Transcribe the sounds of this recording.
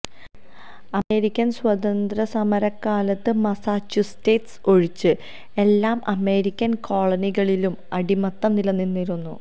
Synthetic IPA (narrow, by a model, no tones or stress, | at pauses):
ɐme̞ːɾikʲːɐnswɐd̪ɐnd̪rɐsɐmɐɾɐkːaːlɐt̪ːɨmɐsaːt͡ɕːusteːtso̞ɻit͡ɕːɨ | e̞lːaːmɐme̞ːɾikʲːɐnkʰo̞ːɭɐniɣɐɭilumɐɽimɐt̪ːɐmnilɐnːinːiɾunːṵ